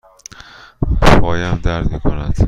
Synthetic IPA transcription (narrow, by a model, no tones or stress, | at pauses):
bɒːjæmd̪æɾd̪miːkʰonæd̪̥